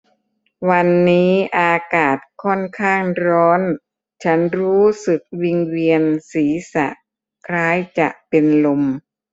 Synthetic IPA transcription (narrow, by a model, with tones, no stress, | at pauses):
wa˧nːiː˦˥ʔaː˧kaː˨˩t̪̚kʰɔ˥˩nkʰaː˥˩ŋɾɔː˦˥n | t͡ɕʰa˦˥nɾuː˦˥sɯ˨˩k̚wi˧ŋwi˧ənsiː˩˦sa̰˨˩ʔ | kʰɾaː˦˥jt͡ɕa̰˨˩ʔpe˧nlo˧m